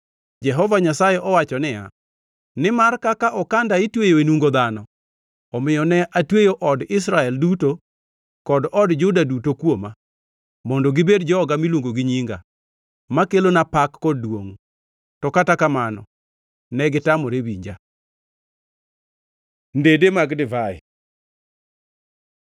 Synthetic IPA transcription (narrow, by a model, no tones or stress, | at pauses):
d͡ʒɛɦɔvaɲasajɛʔɔwat͡ʃɔnɪja̰ | nɪmarkakaʔɔkandaitwejoenuŋɡod̪anɔ | ɔmɪjɔnɛʔatwejoʔɔdɪs̬ɾaɛlduto | kɔdɔdd͡ʒʊdadutokwoma | mɔndɔɡɪbedd͡ʒɔɔɡamilwoŋɡoɡɪɲiŋɡa̰ | makelonapakːɔd̚ːwo̰ŋ | tɔkatakamanɔ̰ | nɛɡɪtamɔɾebḭɲd͡ʒa | ndedemaɡdɪvaɪ̰